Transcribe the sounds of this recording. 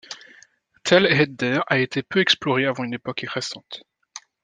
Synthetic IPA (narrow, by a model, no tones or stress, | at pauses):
t̪ʰɛlɛd̪d̪ɛʁaet̪ʰepøɛksplɔʁeavɑ̃ynepɔkeʁɛsɑ̃t̪